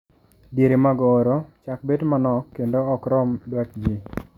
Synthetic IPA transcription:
djeɾemaɡɔːɾot͡ʃak̚bedmanɔkːendoɔkɾɔmdwakd͡ʒi

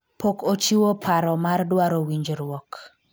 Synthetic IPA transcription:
pokot͡ʃiwopʰaɾɔmardwaɾowiɲd͡ʒɾwɔk

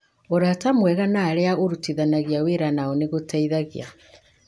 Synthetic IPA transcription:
oɾatamwɛɣanaːɾeaoɾutiðanaɣiaweɾanaɔneɣotaiðaɣḭa

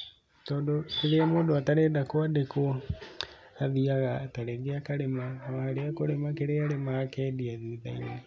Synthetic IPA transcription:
tɔːndokeɾeamoːdoataɾedakoadeko | aðiaɣataɾɛɡeakaɾemaahaɾeakoɾemakeɾeaɾemaakɛdiaðiða̰ine

